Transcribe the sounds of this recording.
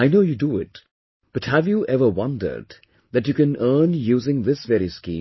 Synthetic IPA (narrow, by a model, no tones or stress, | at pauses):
aɪnoʊjuduɪt̚ | b̥ʌʈhæʋjuʔɛvə˞wʌ̃ndə̰˞d | ðæʈjukɨ̃nɜːnjuːzɪ̃ŋðɪsʋɛɾiskḭ̃ː